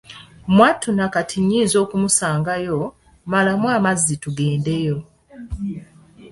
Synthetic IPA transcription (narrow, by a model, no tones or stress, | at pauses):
mwatunakatʰiɲːiːzo̞ːkumusaːŋɡajo̞ | malamwaːmazːituɡe̞ːnde̞jo